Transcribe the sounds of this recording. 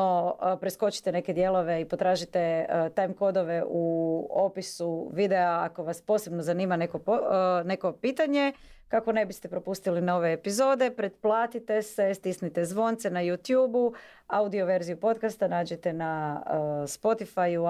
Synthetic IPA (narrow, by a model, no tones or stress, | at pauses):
opɾesko̞t͡ʃi̥t̪ene̞ked̪je̞lo̞ʋe̞ipo̞t̪ɾaːʒit̪et̪ajmko̞d̪o̞ʋe̞ʔuopisuʋid̪eaako̞ʋaspo̞ːse̞bnozaniːmane̞kone̞ko̞piːt̪aɲe̞kako̞ne̞bist̪epɾo̞pust̪ilinoʋe̞ːpizo̞ːd̪e̞pɾed̪plˠaːt̪it̪e̞sest̪isnit̪ezʋo̞nt̪se̞najuːt̪juːbu | aud̪io̞ʋe̞ɾzijupo̞t̪kast̪anaːd͡ʑet̪e̞na | spo̞t̪ifaju